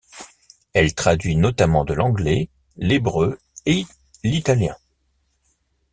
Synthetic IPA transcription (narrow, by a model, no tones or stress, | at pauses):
ɛlt̪χad̪ɥinɔt̪amɑ̃d̪əlɑ̃ɡlɛ | lebʁø | e | lit̪aljɛ̰̃